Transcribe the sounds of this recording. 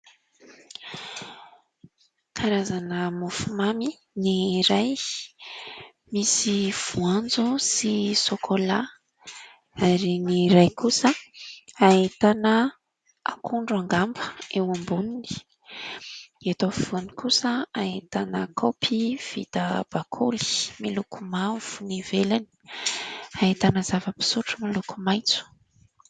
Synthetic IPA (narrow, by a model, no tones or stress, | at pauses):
kʰaɾazanəmufumami | niɾaj | misiv̥uand͡zusisokʰola | aɾiniɾajkusə | ait̪anə | akʰuɳɖ͡ʐaŋɡambə̥ewambunini̥ | at̪ofv̥unikusəait̪anəkʰopʰiv̥ḭt̪əb̥akʰoli̥milukʰumav̥univelani̥ | ait̪anəz̥avəpi̥suʈ͡ʂəmilukumajt͡su̥